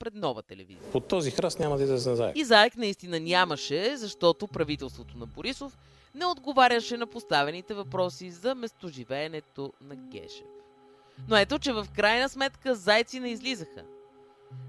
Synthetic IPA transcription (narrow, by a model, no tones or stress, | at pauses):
pɾɛd̪nɔvət̪ɛlɛ̰vḭzipot̪ɔzixɾasnʲamɐd̪ɐid̪ɛzɛnza̰jɛ̰izaɛknɐist̪inənʲaməʃɛzɐʃt̪ɔt̪opɾɐvit̪ɛlˠst̪vot̪onɐboɾisof | nɛod̪ɡovaɾʲəʃɛnɐpost̪avɛnit̪ɛvɐpɾɔsizɐmɛst̪oʒivɛːnɛt̪onɐkʲɛ̰ʃɛ̰f | noɛt̪ot͡ʃɛvɐfkɾajnəsmɛt̪kəzajt̪sinɛizlizəxə̰